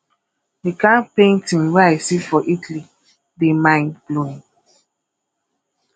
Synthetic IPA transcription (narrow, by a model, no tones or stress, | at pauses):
dikãnpẽntĩnweajsifɔʔitli | demãɪ̃nb̥loĩŋ